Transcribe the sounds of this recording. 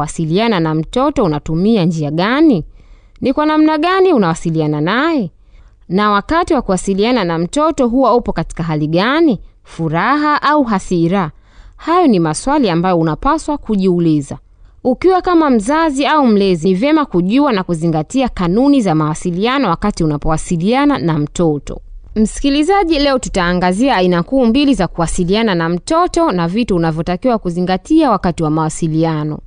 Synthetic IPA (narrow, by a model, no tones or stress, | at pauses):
wasiliananam̩tɔtɔunatumiand͡ʒiaɠani | nikwanam̩naɠaniunawasiliananajɛ | nawakatiwakuwasiliananam̩tɔtɔɦuwaupɔkati̥kaɦaliɠani | fuɾaɦaʔauɦasiɾa | hajɔnimaswaliambajɔunapaswakuʄiuliza | ukiwakamam̩zaziaum̩lɛzinivjɛmakuʄuanakuziŋɡatiakanunizamawasilianɔwakatiunapɔwasiliananam̩tɔtɔ̰m̩si̥kilizaʄilɛɔtu̥taːŋɡaziaːinakuːmbilizakuwasiliananam̩tɔtɔnavituunavjɔtakiwakuziŋɡatiawakatiwamawasilianɔ̰